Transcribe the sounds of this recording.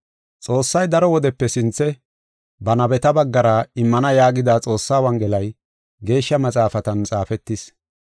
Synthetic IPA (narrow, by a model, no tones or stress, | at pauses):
t͡sʼo̞ːsːɐjd̪ɐɾɔwɔd̪ɛpːɛsɪnt͡sːɛ | bɐnɐbɛt̪ɐbɐɡːɐɾɐɪmːɐnɐjaːɡɪd̪aːt͡sʼo̞ːsːaːwɐŋɡɛlɐj | ɡe̞ːʃːɐmɐt͡sʼaːfɐt̪ɐnt͡sʼaːfɛt̪ːɪs